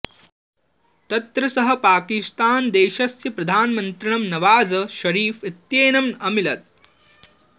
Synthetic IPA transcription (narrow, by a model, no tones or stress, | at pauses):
t̪ɐt̪ɾɐsɐɦɐ̆paːkist̪aːnd̪eːʃɐsjɐpɾɐd̪ʱaːnmɐnt̪ɾiɳ̃ɐmnɐʋaːd͡zɐʃɐɾiːfit̪jeːnɐmɐmilɐt̪̚